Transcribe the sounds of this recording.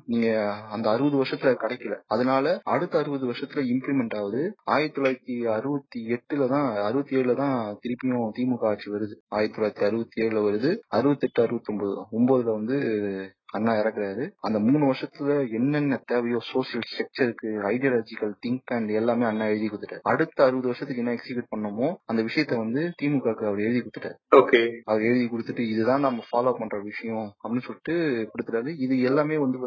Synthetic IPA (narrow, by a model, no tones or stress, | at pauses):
niːŋɡɐɐnd̪ɐːɾɯbɐðɯʋɐɾʂɐt̪ːɪlɐkɐɽɐɪkːɪlɐɐðɐnaːlɐɐɽɯt̪ːɐɐɾɯbɐðɯʋɐʂɐt̪ːɪlɐɪmplimɛɳʈaːʋɐðɯaːjɪɾɐt̪ːɔlaːɾɐt̪ːiɐɾɯbɐt̪ːiɛʈːɯlɐt̪ãːɐɾɯbɐt̪ːieːɻɯlɐt̪ãːt̪ɪɾɯpːɪjõt̪iːmɯkaːʈt͡ʃːiʋɐɾɯðɯaːjɪɾɐt̪ːɔlaːɾɐt̪ːiɐɾɯbɐt̪ːieːɻɯlɐʋɐɾɯðɯɐɾɯbɐt̪ːɛʈːɯɐɾɯʋɐt̪ːɔmboðɯɔmboːðɯlɐʋɐnd̪ɯ | ɐnːaːɪɾɐkːɪɾaːɾɯɐnd̪ɐmuːɳɯʋɐɾʂɐt̪ːɪlɐɛnːɛnːɐt̪eːʋɐjõːsoːʂɪjɐlsʈɐk̚t͡ʃɐɾɯkːɯɐɪɖijaːlaːd͡ʒɪkɐlt̪ɪŋkːaːnɖɛlːaːmeːɐnːaːɛɻɯðikːʊɽɯt̪ɯʈːa̰ːɾɐɽɯt̪ːɐɐɾɯbɐðɯʋɐɾʂɐt̪ːɪlɛnːɐɛksibjuːʈ̚pɐɳːɐmoːɐnd̪ɐʋɪʂɐjɐt̪ːɐʋɐnd̪ɯt̪iːmɯkːaːkɯɐʋɐɾɛɻðikʊɽɯt̪ːɯʈːa̰ːɾoːkeːɐʋɐɾɛɻɯðikʊɽɯt̪ːɯʈːɯɪðɯt̪ãːnɐmːɐfaːloːpɐɳːɾɐʋɪʂɐjɔ̃ɐpːɐɽinːɯsɔlːɪʈːɯpʊɽɯt̪ːɯʈːaːɾɯɪðɯɛlːaːmeːʋɐnd̪ɯ